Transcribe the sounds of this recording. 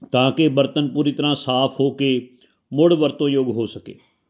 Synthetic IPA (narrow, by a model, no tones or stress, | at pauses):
t̪ãːkebəɾt̪ənpuːɾit̪əɾãːsaːpʰɦoːkeː | mʊɽʋəɾt̪õːjoɡɦoːsəkḛː